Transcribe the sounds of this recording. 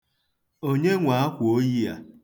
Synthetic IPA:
o˦ɲe˦ŋʷa˨a˦kʷo˦ji˦a̰˨

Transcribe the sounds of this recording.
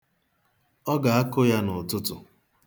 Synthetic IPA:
ɔ˦ɡa˨a˦kʊ˦ja˦nʊ˨tʊ˦tʊ̰˨

